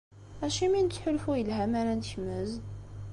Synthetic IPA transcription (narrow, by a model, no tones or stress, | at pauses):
æʃimint͡sːħʊlfujəlɦæmæɾænt̪çməz